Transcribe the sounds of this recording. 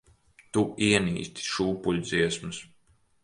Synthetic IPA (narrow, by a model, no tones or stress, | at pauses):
t̪uiɛnḭːst̪i̥ʃuːpulʲd̪ziɛsmɨs